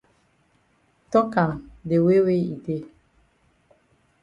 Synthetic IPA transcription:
tɔ˦ka˨mde˨we˦we˦i˨de˦

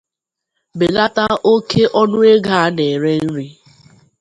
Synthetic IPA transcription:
be˨la˦ta˦o˦ke˦ʔɔ˦nʊ˦e˦ɡa˦˨˦ne˨ɾe˦n̩˦ɾi˦

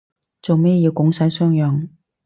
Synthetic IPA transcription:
t͡so˨wmeː˥jiː˧wkʊ˨˥ŋsɐ˨˥jsœː˥ŋjœː˨˧ŋ

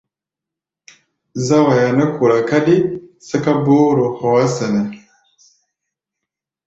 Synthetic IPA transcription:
za˦wa˨ja˨nə˦ku˨ɾa˨ka˦ɗi˦sə˦ka˦bo˦ɾu˨xa˨wa˦sə˨ne˨

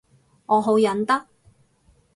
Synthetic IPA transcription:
ŋɔː˨˧ɦo˨˥wjɐ˨˥nt̪ɐ˥k̚

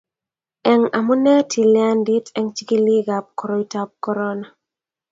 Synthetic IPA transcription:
ɛ˨ŋa˨mʊ˦nɛ˦tʰi˨lja˦ndi˦tɛ˦ŋt͡ʃi˦ki˦li˦ɡa˨p̚kɔ˨ɾɔ˨i˨ta˦p̚kɔ˦ɾɔ˦na˨

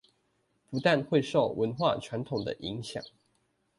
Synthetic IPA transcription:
pu˨˧˥t̪a˥˨nxwe˥˧ɪʂo˥˨ʊwʔə˧˦nxwa̰˥˨t͡ʃʰwa˧˦nt̪ʰʊ˨˩ŋd̪ə̰˨˩ʔi˧˦ŋɕjɑ̰˨˩˦ŋ

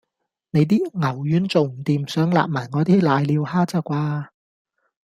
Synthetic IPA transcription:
ne˨˧jt̪iː˥ŋɐ˨˩wjyː˨˧˥nt͡so˨wm̩˨˩t̪iː˨msœː˨˥ŋla̰ː˨p̚maː˨˩jŋɔː˨˧t̪iː˦˥laː˨˧jliː˨˧whaː˥t͡sɐ˧˥kʷwaː˧

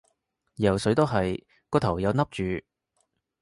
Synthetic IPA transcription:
jɐ˨˩wsɵ˨˥ɥt̪o˥wɦɐ˨j | kɔː˧t̪ʰɐ˨˩wjɐ˨˧wnɐ˥p̚t͡ʃyː˨

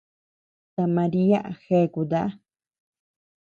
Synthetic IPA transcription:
t̪a˧mã˧ɾi˦a˦ʔxe˧˨ku˨d̪a˦

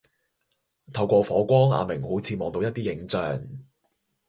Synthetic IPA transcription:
t̪ʰɐ˧wkʷɔː˧fɔː˨˥kʷɔː˥ŋa̰ː˨˧mɪ˨˩ŋho˨˥wt͡sʰiː˨˧mɔː˨˧ŋt̪o˧wjɐ˥t̪̚iː˥jɪ˨˥ŋt͡sœː˨˩ŋ

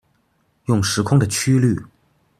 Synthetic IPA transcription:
jʊ˥˩ŋʂɻ̩˧˥kʰʊ˥ŋd̪ə˨t͡ɕʰy˥ly˥˩

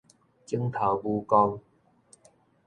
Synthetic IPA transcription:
t͡ɕi˧˥ŋt̪ʰa˨˩wbuː˧kɔ˧ŋ

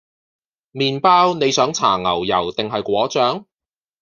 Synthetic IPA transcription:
miː˨npaː˥wne˨˧jsœː˨˥ŋt͡sʰa̰ː˨˩ŋɐ˨˩wjɐ˨˩wt̪ɪ˨ŋɦɐ˨jkʷɔː˨˥t͡ʃœː˨˥ŋ

